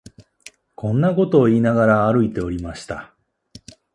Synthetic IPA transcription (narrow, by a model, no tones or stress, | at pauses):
kʰõ̞nːako̞t̪o̞ːiːnaɡaɾaːɾɯ̟it̪e̞o̞ɾʲimaɕi̥t̪a